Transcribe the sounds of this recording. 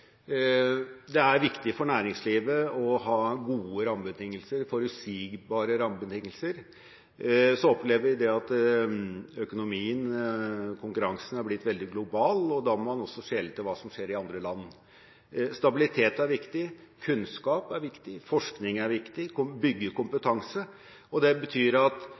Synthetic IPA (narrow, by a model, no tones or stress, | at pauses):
d̪ɛæɾʋɪkt̪ɪfɔɳæːɾɪŋsliːʋəɔɦɑːɡuːəɾɑmbət̪ʰɪŋːəlsəɾfɔɾʉsiɡbɑːɾəɾɑmbət̪ʰɪŋːəlsəɾ | sɔɔpleːʋəɾʋɪd̪ɛɑt̪ | œkʊnʊmiːən | kʰʊŋkʉɾɑŋsn̩hɑɾblɪt̪ːʋɛld̪ɪɡlʊbɑːlɔd̪ɑmɔɾmɑnɔsːɔʂeːlt̪ʰɪlʋɑːsɔmʂeːɾɪɑnd̪ɾəlɑnː | st̪ɑbɪlɪt̪ʰeːt̪æɾʋɪkt̪ɪkʰʉnskɑːpæɾʋɪkt̪ɪfɔʂknɪŋæɾʋɪkt̪ɪkʊbʏɡːəkʊmpət̪ʰɑŋsə | ɔd̪ɛbət̪ʰyːɾɑt̪